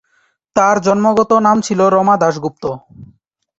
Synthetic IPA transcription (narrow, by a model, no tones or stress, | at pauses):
t̪aɾd͡ʑɔnmoɡɔt̪onamt͡ɕʰiloɾɔmad̪aʃɡup̚t̪o